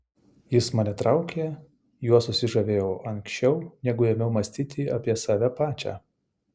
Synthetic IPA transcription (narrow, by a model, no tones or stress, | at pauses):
jɪsmɐnʲɛt̪ɾɑˑʊkʲeː | juɔsʊsʲɪʒɐʋʲeːjoːʔɐŋʲksʲt͡ʃʲɛʊnʲɛɡʊɛmʲɛʊmɐsʲt̪ʲiːt̪ʲiːʔɐpʲiɛsɑːʋʲɛpɑːt͡ʃʲæ̰ː